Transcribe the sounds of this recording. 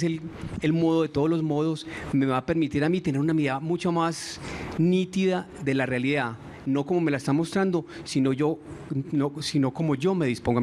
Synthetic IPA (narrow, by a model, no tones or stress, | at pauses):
selelmo̞ðo̞ðe̞t̪oð̞olo̞zmo̞ðo̞sme̞βape̞ɾmit̪iɾamit̪e̞neɾunamiðamut͡ʃamasnit̪iða | ðe̞larealiða | no̞ko̞mo̞me̞laest̪amo̞st̪ɾand̪o̞sino̞ʝo̞ | osino̞ko̞mo̞ʝo̞me̞ðispoŋɡo